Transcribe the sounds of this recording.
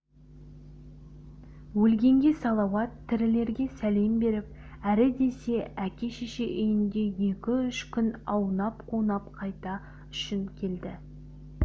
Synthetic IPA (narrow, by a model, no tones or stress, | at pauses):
wɵlɡʲe̞ŋɡʲe̞sɑlˠɑwɑt̪ʰːɪɾɪle̞ɾɡʲe̞sæle̞mbe̞ɾɪp̚ | æɾɪd̪e̞se̞ækʲe̞ʃiʃeʔʏjɪnd̪e̞je̞kʲɪʏʃkʲʰʏnɑwnɑpqʰunɑp̚qʰɑjt̪ɑ | ʏʃɪnkʲʰe̞ld̪ɪ